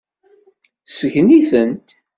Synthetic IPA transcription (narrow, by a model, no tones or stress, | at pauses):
səʝniθənt̪